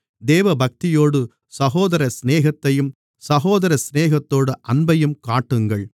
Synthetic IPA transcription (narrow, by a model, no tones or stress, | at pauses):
d̪eːʋɐbɐk̚t̪ɪjoːɽɯ | sɐɣoːðɐɾɐsneːɣɐt̪ːɐjɯm | sɐɣoːðɐɾɐsneːɣɐt̪ːoːɽɯʔɐnbɐjɯmkaːʈːɯŋɡɐɭ